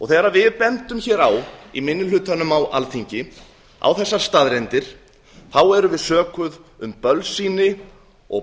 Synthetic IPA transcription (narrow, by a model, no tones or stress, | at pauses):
ɔɣθɛːɾavɪðpɛnt̪ʏmçɛːɾawimɪnːɪlʏːt̪anːʏmawʔa̰lθiɲcɪ | a̰wθɛsːaɾ̥st̪aðɾɛnt̪ɪɾ̥ | θawɛɾʏvɪðsœːkʏðʏmpœlsiːnɪ | ɔ̰ɣ